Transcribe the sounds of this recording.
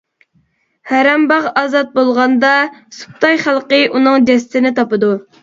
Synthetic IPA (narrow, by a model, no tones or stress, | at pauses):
hæɾɛmbɑʁɑzɑt̪̚bolˠʁɑnd̪ɑsu̥p̚t̪ɑjχælˠqəʔunɨŋd͡ʒɛsɪt̪ɪnɪt̪ɑpɨd̪u